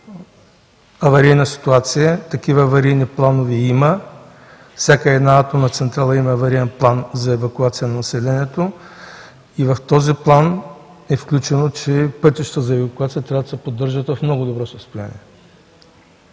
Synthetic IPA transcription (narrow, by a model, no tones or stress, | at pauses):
ɐvɐɾijnəsi̥t̪uat̪sijət̪ɐkivəːvɐɾijniplˠanoviimə | fsakəɛd̪naat̪omnɐt̪sɛnt̪ɾalˠɐimɐːvɐɾiɛnplˠanzɐɛvɐkuat̪sijənɐnɐsɛlɛniɛt̪o | ivɐft̪ɔziplˠan | ɛfklʲut͡ʃɛnot͡ʃɛpɤt̪iʃt̪əzɐɛvɐkuat̪siət̪ɾʲavəd̪ɐsɛpod̪ːəɾʒət̪vɐfmnɔɡʊd̪obɾɔsɐst̪oja̰nʲḭɛ